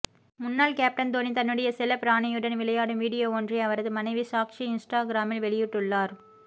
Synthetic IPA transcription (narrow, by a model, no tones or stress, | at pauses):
mʊnːaːlkaːp̚ʈɐnd̪oːnit̪ɐnːɯɽɐjɐsɪlɐpɾaːɳɐjɯɽɐnʋɪɭɐjaːɽɯmʋiːɽɪjoːoːndrɐɐʋɐɾɐðɯmɐnɐɪʋisaːkʂiɪnsʈaːɡɪɾaːmɪlʋɛɭɪjɯʈːɯɭːaːɾ